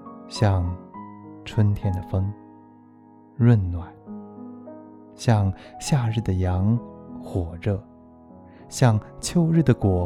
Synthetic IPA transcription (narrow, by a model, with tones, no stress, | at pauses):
ɕjɑ˥˧ŋ | ʈ͡ʂʰwə˥nt̪ʰjɛ˥˩nd̪ə˨fə˥ŋ | ɻwə˥˧nnwa˨˩˦n | ɕjɑ˥˧ŋɕja˥˧ɻɻ̩˥˩d̪ə˩jɑ˧˥ŋxwɔ˨˩ʈ͡ʂə˧ | ɕjɑ˥˧ŋt͡ɕʰjo˥ʊɻɻ̩˥˩d̪ə˩kwɔ˨˩˦